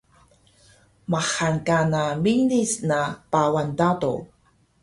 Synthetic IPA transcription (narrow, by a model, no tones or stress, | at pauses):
maχankanaminisnapawandado̰